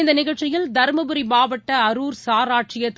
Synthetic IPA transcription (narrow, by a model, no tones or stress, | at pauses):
nd̪ɐnɪɣɐɭt͡ʃɪjɪld̪ɐɾmɐbɯɾimaːʋɐʈːɐɐɾuːɾsaːɾaːʈt͡ʃɪjɐt̪ː